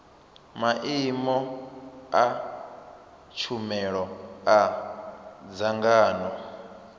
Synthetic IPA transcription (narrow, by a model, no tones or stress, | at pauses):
maʔimɔ | a | t͡ʃʰumɛɺɔa | d͡zaŋɡaːnɔ